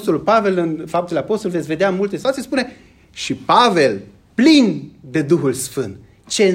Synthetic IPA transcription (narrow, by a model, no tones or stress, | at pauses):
st̪olulpave̞lɨnfap̚t̪eleapo̞st̪olvet̪sʲve̞d̪eanmult̪esit̪uat̪iespune̞ | ʃipave̞l | plind̪e̞d̪uxulsfɨnt̪ | t͡ʃe̞